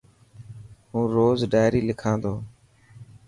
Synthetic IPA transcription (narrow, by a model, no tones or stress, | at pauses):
ɦũːɾoːzɖaːɪɾiːlɪkʰãːd̪oː